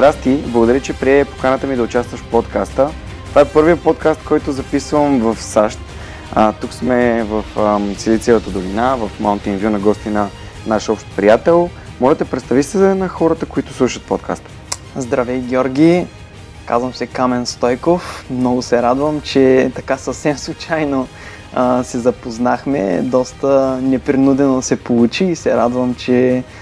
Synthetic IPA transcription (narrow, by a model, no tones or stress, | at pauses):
zd̪ɾast̪iblˠəɡʊd̪ɐɾʲət͡ʃɛpɾiɛpo̥kanət̪əmid̪ɐʊt͡ʃast̪vəʃpot̪kast̪ə | t̪vaɛpɤɾvijəpot̪̚kast̪kɔjt̪ʊzɐpisvəmvɐfsaʃt̪ | ət̪uksmɛvəfəsɛlit̪sɛvˠət̪əd̪olinavɐfmaʊnt̪invʲjunɐɡɔst̪inɐ | naʃɔfʃt̪pɾijat̪ɛlˠ | mɔʒɛt̪ɛpɾɛt̪st̪avisɛnɐxɔɾət̪əkʊit̪ʊ̥slˠuʃət̪̚pot̪kʰa̰st̪ | zd̪ɾɐvɛjɡʲɔɾɡʲi | ka̰zvɐmsɛkamɛnst̪ɔjkofmnɔɡʊsɛɾad̪vəmt͡ʃɛt̪ɐkasəfsɛmslˠut͡ʃajno | əsɛzɐpoznaxmɛ̰d̪ɔst̪ənɛpɾinud̪ɛnod̪ɐsɛpolˠut͡ʃiːsɛɾad̪vəmt͡ʃɛ